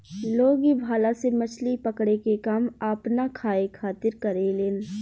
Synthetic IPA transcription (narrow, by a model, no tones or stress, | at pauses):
loːɡibʱaːlasemɐt͡ʃʰlipəkɽekekaːmaːpnakʰaːekʰaːt̪ɪɾkɐɾeleːn